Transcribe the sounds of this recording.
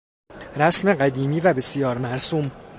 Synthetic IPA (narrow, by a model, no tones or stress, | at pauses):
ɾæsme̞ɢæd̪iːmiːvæbe̞sijɒːɾmæɾsuːm